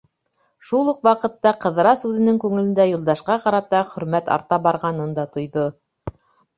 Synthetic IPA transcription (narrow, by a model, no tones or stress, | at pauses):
ʃulˠuqwɑqɤ̆t̪ːɑqɤ̆ðɾɑsʉðɘ̆nɘŋkʉŋɘ̆lɘ̆nd̪æjulˠd̪ɑʃqɑqɑɾɑt̪ɑχɵ̆ɾmæt̪ɑ̰ɾt̪ɑbɑɾʁɑnɤnd̪ɑt̪ŏjðo